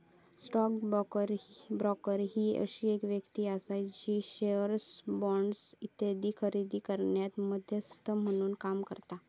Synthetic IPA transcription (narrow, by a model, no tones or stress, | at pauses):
sʈɔkbkəɾbɾɔkəɾɦiːə̰ɕiːekʋjəkt̪iːasajt͡ɕiːɕeəɾsbɔɳɖsit̪ed̪iːkʰəɾid̪iːkəɾɳjat̪məd̪ʱjəst̪əm̤əɽ̃uːnkamkə̰ɾt̪a